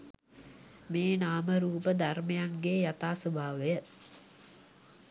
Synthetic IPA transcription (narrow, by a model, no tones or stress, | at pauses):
meːnaːməɾuːpəd̪ʱarmejaŋɡeːjat̪aːsobʱaːʋəjə